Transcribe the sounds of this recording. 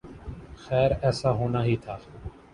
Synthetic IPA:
xɛːɾɛːsaːɦoːnaːɦiːt̪ʰaː

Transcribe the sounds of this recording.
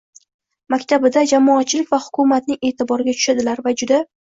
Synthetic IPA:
makʲt̪ʰabɪd̪ad͡ʒamɒːt̪t͡ʃʰːɪlɪkʲvahʊ̥kʰʊmat̪nɪŋʔe̞ːt̪ʰɪbɒɾɪɡʲat̪ʰʊ̥ʃad̪ɪlaɾvad͡ʒʊd̪a

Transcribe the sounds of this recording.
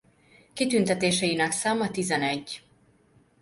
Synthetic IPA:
kit̪ynt̪ɛt̪eːʃɛjinɛksaːmɒt̪izɛnɛɟː

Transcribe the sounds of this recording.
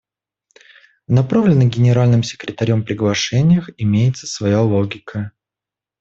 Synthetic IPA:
nɐpɾavlʲɪnːɨjɡʲɪnʲɪɾalʲnɨmsʲɪ̥kɾʲɪt̪ɐɾʲompɾʲɪɡlˠɐʂɛnʲɪjəxɪmʲejɪt̪sə̥svɐjalˠoɡʲɪkʰə

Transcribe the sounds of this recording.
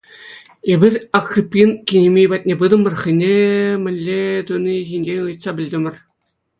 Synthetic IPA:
ebʲiɘ̆rʲɑkrʲipʲːinkʲinʲemʲejbɑt̪̚ʲnʲebɯd̪ɤ̆mɤ̆rχɘ̆nʲemʲɘ̆lʲːet̪unʲiʑinʲd͡ʑenʲɯjt̪sɑbʲɘ̆lʲd̪ʲɘ̆mʲɘ̆r

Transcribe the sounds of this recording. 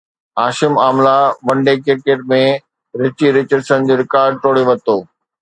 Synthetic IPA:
aːʃɪmaːmlaʋɐ̃ɳɖekɪɾkeʈ̚mẽ | ɾɪt͡ɕiɾɪt͡ɕəɾsə̃nd͡ʑoːɾɪkaːɾɖ̚ʈ̪oːɽeʋɐt̪oː

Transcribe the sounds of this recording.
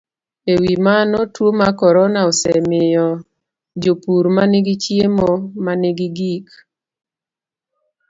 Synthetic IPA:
ewimanɔtwomakɔɾɔnaɔsɛmɪjɔ | d͡ʒopuɾmanɪɡit͡ʃjemomanɪɡiɡik

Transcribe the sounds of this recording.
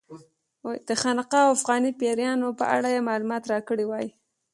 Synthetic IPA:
d̪̥əxanɪqaawafɣɑnipeɾjɑnopə̰ʔa̰ɽajemɑlumɑt̪ɾɑkəɽiwɑji

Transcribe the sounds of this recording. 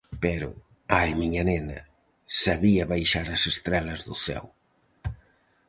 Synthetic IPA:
pɛɾʊ̰ | ajmiɲɐnenɐ̰ | saβiɐβajʃaɾɐsest̪ɾɛlɐzðʊθɛ̰w

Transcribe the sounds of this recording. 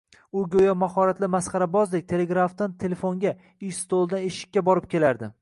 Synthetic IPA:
ʊɡʲojɒmahɒɾat̪lɪmasχɑɾabɒzlɪk̚ʲt̪ʰe̞le̞ɡɾaft̪ant̪ʰe̞lefoŋɡʲa | ɪst̪ʰolˠd̪aneʃɪ̥kʲːabɒɾɪp̚kʲʰe̞laɾd̪ɪ

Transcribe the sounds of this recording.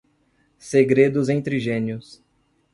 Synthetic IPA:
seɡɾed̪ʊzẽt̪ɾiʒẽnjʊs

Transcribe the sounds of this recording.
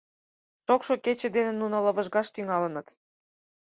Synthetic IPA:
ʃokʃoket͡ɕĕd̪enĕnːunɤ̆lɤ̆βə̆ʒɣɑʃt̪yŋɑlə̆nɤ̆t̪

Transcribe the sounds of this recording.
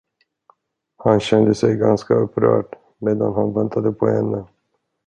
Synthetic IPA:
hanɕɛnd̪əsɛjɡanskaɵpːɾœ̰ːʈ | meːd̪anhanvɛnt̪ʰad̪əpʰɔhɛnːə

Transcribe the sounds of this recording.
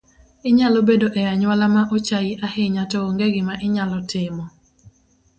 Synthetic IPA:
ɪɲalɔbedoʔɛaɲwalamaʔot͡ʃajɪʔahɪɲatɔoŋɡeɡɪmaʔɪɲalɔtʰɪmɔ

